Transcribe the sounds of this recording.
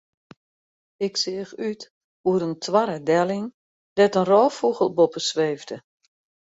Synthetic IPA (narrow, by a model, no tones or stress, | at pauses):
ɪksɪːəxyt | huɾəntʰwaɾədɛlɪŋ | dɛtənrɔːfuɣəlˠbopəsʋeːvdə